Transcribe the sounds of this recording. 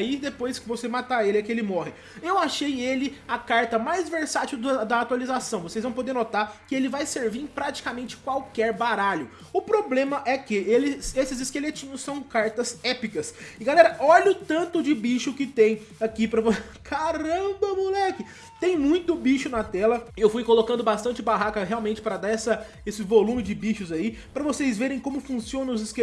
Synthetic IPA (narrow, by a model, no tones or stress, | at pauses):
id̪epojskɪvosemat̪aelɪɛkɪelɪmɔɦɪ | ewaʃejelɪɐkaɾt̪ɐmajzveɾsat͡ʃiwd̪ɐd̪ɐːt̪walizasɐ̃w̃vosejzvɐ̃w̃p̬od̪eɾnot̪aɾkɪelɪvajseɾvĩpɾat͡ʃi̥kamẽnt͡ʃɪ̥kwawkɛɾbaɾaʎʊ | ʊpɾoblẽmɐʔɛkɪelɪsesɪzɪskelet͡ʃĩɲʊsːɐ̃w̃kaɾt̪ɐzɛpikɐsɪɡalɛɾɐʔɔʎʊt̪ɐ̃nt̪ʊd͡ʒɪbiʃʊkɪt̪ẽj̃ | akipɾɐvo | kʰaɾɐ̃bɐmulɛkɪ | t̪ẽj̃mũj̃t̪ʊbiʃʊnɐt̪ɛlɐɪewfujkolokɐ̃nd̪ʊbast̪ɐ̃nt͡ʃɪbaɦakɐɦeawmẽnt͡ʃɪ̥pɾɐd̪aɾɛsɐ | esɪvolũmɪd͡ʒɪbiʃʊzaipɾɐvosejzveɾẽj̃kõmʊfũsiõnɐ̃ʊzɪske